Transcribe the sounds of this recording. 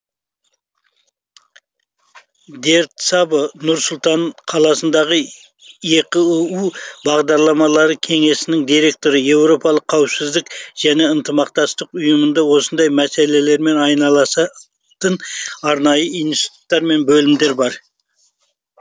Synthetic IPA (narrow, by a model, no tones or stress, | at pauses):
d̪e̞ɾt̪sɑbənʊɾsʊlˠt̪ɑɴqʰɑlˠɑsənd̪ɑʁə | je̞kɪuwbɑʁd̪ɑɾlˠɑmɑlˠɑɾəkʲʰe̞ŋe̞sɪnɪŋd̪ijɾe̞k̚t̪o̞ɾəje̞wɾo̞pɑlˠəqʰːɑwɪpsɪzd̪ɪkʒ̥æne̞ənt̪ʰəmɑqt̪ɑst̪əqʊjəmənd̪ɑwo̞sənd̪ɑjmæse̞le̞le̞ɾme̞nɑjnɑlˠɑsɑ | t̪ənɑɾnɑjəijnist̪i̥t̪u̥t̪ːɑɾme̞nbɵlɪmd̪e̞ɾbɑɾ